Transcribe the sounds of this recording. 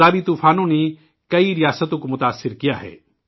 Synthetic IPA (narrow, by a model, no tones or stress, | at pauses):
aːbit̪uːpʰaːnõnei | kɐiɾɪjaːsət̪õkmʊt̪aːsːɪɾkɪjaːɦɛ̰ː